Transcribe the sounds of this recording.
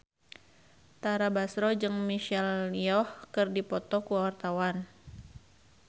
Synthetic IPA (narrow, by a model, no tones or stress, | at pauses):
t̪aɾabasɾɔd͡ʒɨŋmiʃɛliɔhkɨrdipɔt̪ɔkuawart̪awan